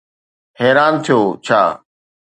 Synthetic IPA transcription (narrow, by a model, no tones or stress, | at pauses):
ɦɛːɾaːnt̪ʰijoːt͡ɕʰa̰ː